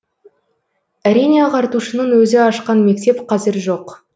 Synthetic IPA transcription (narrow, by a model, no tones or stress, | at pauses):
æɾijneɑʁɑɾt̪uʃənəɴwɵzɪɑʃqɑnme̞k̚t̪e̞pqʰɑzɪɾʒo̞q